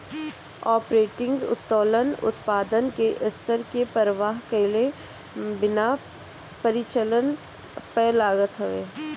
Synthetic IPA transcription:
ɔːpɾeːʈɪ̃ŋɡʊ̰t̪t̪oːlənʊ̰t̪paːd̪ənkeʔɪst̪əɾkepəɾəʋaːɦkəɪle | bɪna | pəɾɪt͡ʃələn | pɛːlaːɡət̪ɦɐʋeː

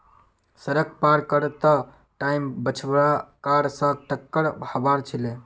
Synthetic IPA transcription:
səɾək̚paɾkəɾt̪ə | ʈajmbət͡ʃʰbɾakaɾsə̃ʈəkːəɾbhəbaɾt͡ʃʰilẽ

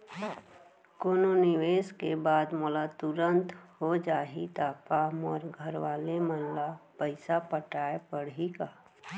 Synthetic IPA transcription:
koːnonɪʋeːskebaːd̪mɔlat̪ʊɾə̃nt̪hod͡ʒaːɦit̪aːkaːmɔːɾɡʱəɾwaːlemənlapəɪsapəʈaːepəɽikaː

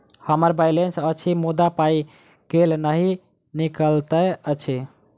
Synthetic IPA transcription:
həməɾbajlensət͡ʃʰimud̪apai | kelnəɦi | nikəlt̪əət͡ʃʰi

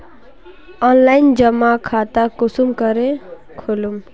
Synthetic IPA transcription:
ʌnlajnd͡ʒʌmakʰat̪akusumkʌɾe | kʰolum

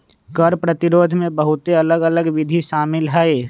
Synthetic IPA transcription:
kəɾpɾət̪ɪɾoːd̪ʱmẽbəɦʊt̪eɐləɡələɡʋɪd̪ʱiʃaːmɪlɦɛe

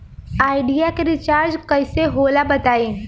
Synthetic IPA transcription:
aːɪɖijakeɾɪt͡ʃaːɾd͡ʒkɐɪseɦoːlabɐt̪aːẽː

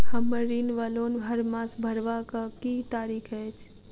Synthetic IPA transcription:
hɐmːəɾiːnʋaːloːnɦɐɾmãːsbʱɐɾʋakakit̪aːɾiːkʰɦɛt͡ʃʰ

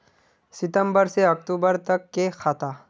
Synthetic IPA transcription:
sɪt̪ə̃mbəɾseɐk̚ʈ̪uːbəɾt̪ɐkːexʰaːt̪aː

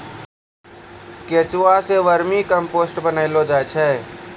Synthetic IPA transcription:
ket͡ʃuaseʋəɾmikəmpoːsʈbənəɪlod͡ʒaːjt͡ʃʰɛː

